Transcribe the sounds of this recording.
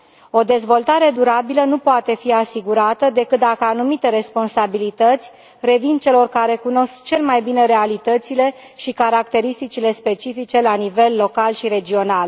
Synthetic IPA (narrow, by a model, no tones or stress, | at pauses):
o̞d̪e̞zvo̞lt̪aɾe̞d̪uɾabilənupoat̪e̞fiasiɡuɾat̪əd̪e̞kɨt̪̚d̪akəanumit̪e̞ɾe̞spo̞nsabilit̪ət̪sʲ | re̞vint͡ʃe̞lo̞rkaɾe̞kuno̞skt͡ʃe̞lmajbine̞ɾe̞alit̪ət̪sile̞ | ʃikaɾakt̪e̞ɾist̪it͡ʃile̞spe̞t͡ʃifit͡ʃe̞lanive̞lːo̞kalʃiɾe̞d͡ʒio̞nal